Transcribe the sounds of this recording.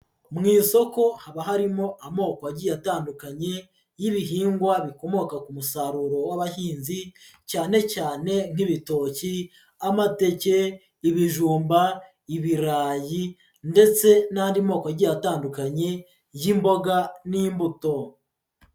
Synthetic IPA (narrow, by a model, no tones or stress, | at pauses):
mŋiːso̞ko̞haβaɦaɾimo̞ʔamo̞ːkoaɟijataːndukaɲe̞ | jiβiɦiːŋɡwaβiko̞mo̞kakumusaɾuɾo̞waβahiːnzi | caːne̞caːne̞ŋ̥hiβito̞ːci | amate̞ce̞ | iβiʒuːmba | iβiɾaːji | nde̞t͡se̞naːndimho̞ːkoaɾɟijataːndukaɲe̞ | jimbo̞ɡaniːmbuto̞